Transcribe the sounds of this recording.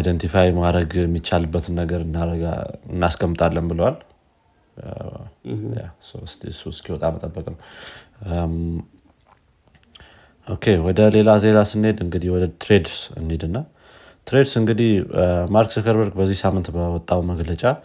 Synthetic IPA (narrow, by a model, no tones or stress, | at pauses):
ajd̪ənt̪ʰifajmaɾəɡjɛmːit͡ʃːalɨbːət̪ʰɨnːəɡəɾɨnːaɾəɡa̰ɨnːaskʰəmːɨt̪ʰʼalːəmbɨləwal | ja̰sst̪suskʰiwɔt̪ʼamət̪ʼəbːəkʼnəw | ʔo̞kʰe̞wɔd̪əle̞laze̞lasɨnːe̞d̪ɨŋɡɨd̪ihwɔd̪ət̪ʰɾe̞d̪sɨ̰ned̪ɨnːaw | t̪ɾed̪sɨŋɡɨd̪ihmaɾksəkəɾbəɾɡbəzːihsamːɨnt̪bəwɔt̪ʼːawməɡlət͡ʃʼa